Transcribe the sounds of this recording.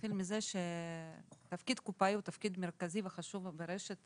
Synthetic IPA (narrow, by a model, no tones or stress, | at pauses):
χilmizeʃe | t̪afkid̪kupaiut̪afkid̪meɾkaziveχaʃuvbeɾeʃet̪